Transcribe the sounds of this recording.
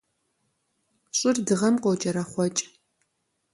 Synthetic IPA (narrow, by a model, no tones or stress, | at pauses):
ɕʼɪrdɨʁɐmqot͡ʃʼɐɾɐχʷɔt͡ʃʼ